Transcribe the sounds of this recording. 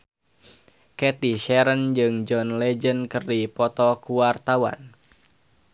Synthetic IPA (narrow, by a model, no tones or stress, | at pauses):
kɛt̪iʃɛɾənd͡ʒɨŋd͡ʒɔnlɛd͡ʒənkərdipɔt̪ɔkuart̪awa̰n